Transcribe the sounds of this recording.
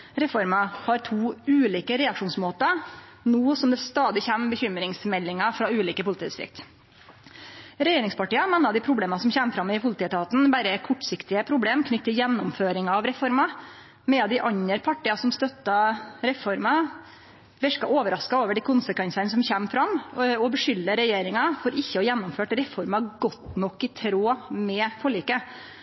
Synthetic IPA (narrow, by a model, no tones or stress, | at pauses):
ɾɛfɔɾmɑhɑɾt̪ʰuːʉːliːkəɾɛɑkʂuːnsmoːt̪ɑ | nuːsɔmd̪ɛst̪ɑːd̪ɪçæmbəçʏmɾɪŋsmɛlːɪŋɑfɾɑːʉːliːkəpʰʊlɪt̪iːd̪ɪst̪ɾɪ̰k̚t̪ | ɾɛjeːɾɪŋspɑʈiːɑmɛnːɑd̪ɪpʰɾʊbleːmɑsɔmçæːmfɾɑmːɛɪpʰʊlɪt̪iːɛt̪ʰɑːt̪n̩bæɾəkʰɔʈːsɪkt̪ɪəpʰɾʊbleːmkʰnʏt̪ʰːɪljɛnːɔmføːɾɪŋɑɑːʋɾɛfɔɾmɑ | mɛɑd̪ɪʔɑɲəɾpʰɑʈiːɑsɔmst̪œt̪ːɑɾɛfɔɾmɑ | ʋɛʂkɑʔoːʋəɾɑskɑoːʋəɖɪkʰʊnsəkʰʋɛnsənsɔmçæːmfɾɑmɔbəʂʏlːəɾɛjeːɾɪŋɑfɔɾɪçːəɔjɛnːʊmføːʈɾɛfɔɾmɑɡɔt̪nɔkːɪt̪ʰɾoːmɛfʰɔɭiːkə